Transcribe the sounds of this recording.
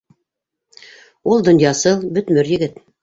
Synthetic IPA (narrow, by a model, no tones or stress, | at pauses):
ulˠd̪ŏnjɑsɤlˠbɵ̆t̪mɵɾjɘ̆ɡɘt̪